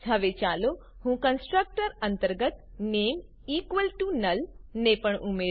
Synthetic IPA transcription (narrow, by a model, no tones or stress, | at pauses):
t͡ʃʰɐʋet͡ʃaːlo | hũːkɐnsʈɾək̚ʈəɾɐ̃nt̪əɾɡət̪ | neːm | iːkʋəlʈunɐlnepəɳ̃ʔume